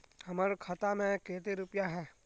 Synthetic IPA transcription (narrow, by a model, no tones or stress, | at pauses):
hɐmaːɾkʰət̪amẽkeːt̪eɾʊpjaɦɛː